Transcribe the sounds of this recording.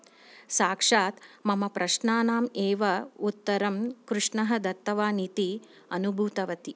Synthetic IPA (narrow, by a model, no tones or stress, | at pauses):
saːkʂaːt̪mɐmɐpɾʔɐʃnaːnaːmeːʋɐut̪ːɐɾɐmkɾuʂɳɐɦɐ̆d̪ɐt̪ːɐʋaːnit̪i | ɐnubʱuːt̪ɐʋɐt̪i